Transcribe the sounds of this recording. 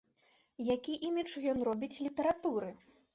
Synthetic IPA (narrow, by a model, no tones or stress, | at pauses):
jakʲiʔimʲit͡ʂjɔnrɔbʲit͡sʲlʲit̪ɐɾat̪uɾɨ